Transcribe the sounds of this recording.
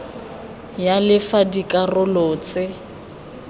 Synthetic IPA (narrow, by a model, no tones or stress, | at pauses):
jalɪfadikʼarʊlʊːt͡sʼɪ